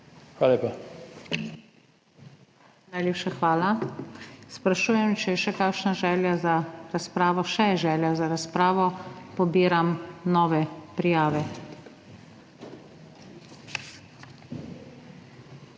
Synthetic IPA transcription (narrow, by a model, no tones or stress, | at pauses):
xwaːlleːpa | najleːpʃaxʋaːla | spɾaʃuːjɛmt͡ʃɛʃɛkakʃnaʒɛːljazaɾaspɾaːʋɔʃɛɛʒɛːljazaɾaspɾaːʋɔpɔbiːɾamnɔːʋɛpɾijaːʋɛ